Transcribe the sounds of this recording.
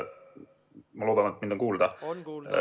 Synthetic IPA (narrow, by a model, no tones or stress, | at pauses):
mɑlo̞ːd̪ɑnet̪̚ːmind̪o̞ŋkuːld̪ɑ